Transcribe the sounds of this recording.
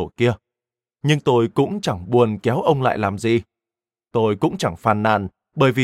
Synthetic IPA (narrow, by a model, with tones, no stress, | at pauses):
o˧˩ki˧ə | ɲɨ˧ŋt̪o˧jkʊ̰˧˥ŋ͡mt͡ɕa˧˩ŋɓu˨˩ənkɛ˨˦wʔə˧wŋ͡mla̰ː˧˨jlaː˨˩mzi˨˩ | t̪o˧jkʊ̰˧˥ŋ͡mt͡ɕa˧˩ŋfaː˨˩nːa̰ː˧˨n | ɓəː˧˩jvi˨